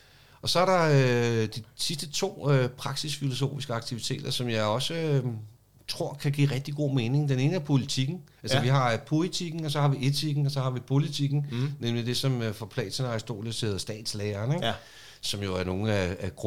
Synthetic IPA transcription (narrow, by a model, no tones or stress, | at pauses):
ɒ̽sɒ̽æɐɾɑ̈ød̥isisd̥ət͡sʰo̝̰ːøpʰʁɑ̈ɡ̥sisfilo̝so̝̰ːfisɡ̥əɑ̈ɡ̥̚t͡sʰiʋit͡sʰe̝̰ːd̥ɐsɒ̽mjɑ̈ɪɒ̽sə | t͡sʰʁo̝ɐ̰kʰæɡ̥ḭːʁɛɡ̥̚d̥iɡ̥o̝ːme̝ːne̝ŋd̥ene̝ːnəæpʰo̝lit͡sʰiɡ̥n̩ | ælsəʋiɦɑ̈pʰo̝lit͡sʰiɡ̥n̩ɒ̽sɒ̽hɑ̈ʋiʔe̝t͡sʰiɡ̥n̩ɒ̽sɒ̽hɑ̈ʋipʰo̝lit͡sʰiɡ̥n̩nemlid̥e̝sɒ̽mfɒ̽pʰlɛ̰ːt͡sʰenɑsd̥o̝̰ːljəseðˠɐsd̥ɛ̰ːd̥sleːɐːneɡ̥ | sɒ̽mjo̝æɐno̝ːn̩ææɡ̥ʁ